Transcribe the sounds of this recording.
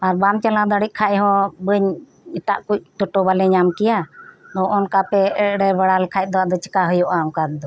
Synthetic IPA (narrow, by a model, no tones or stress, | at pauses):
aɾbamt͡ʃalãd̪aɽit̪̚ˀkʰaʔɛɦɔ̃bəɲ | ɛt̪a̰ʔkuc̚t̪ɔʈɔbalɛɲamkɛjad̪ɔʔɔnkapɛɛɽɛbaɽalɛkʰajt̪̚ˀd̪ɔwaʔd̪ɔt͡ʃə̥kaɦəjɔʔamkad̪̚d̪ɔ